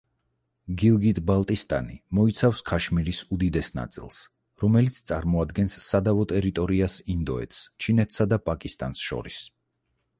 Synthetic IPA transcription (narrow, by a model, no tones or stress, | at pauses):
ɡilˠɡit̪ʼbalˠt̪ʼist̪ʼa̰nimɔit̪sʰafskʰaʃmiɾisud̪id̪ɛsna̰t̪sʼḭlˠs | ɾɔmɛlit̪sʰt̪sʼaɾmɔad̪ɡɛnsːad̪avɔt̪ʼɛɾit̪ʼɔɾiasind̪ɔɛ̰t̪ʰst͡ʃʰinɛt̪ʰsad̪apʼakʼist̪ʼa̰nsʃɔ̰ɾis